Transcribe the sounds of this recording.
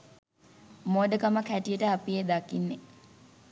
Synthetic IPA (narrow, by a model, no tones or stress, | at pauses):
moːd̪əkaməkʰæʈijəʈəapied̪akinːe